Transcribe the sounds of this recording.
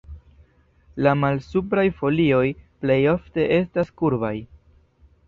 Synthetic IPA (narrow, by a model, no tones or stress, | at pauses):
lamalsupɾajfo̞lio̞jple̞jo̞fte̞ʔe̞staskuɾbaj